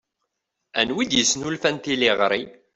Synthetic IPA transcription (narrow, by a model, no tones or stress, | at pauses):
ænwid̪jəsnulfænt̪iliʁɾi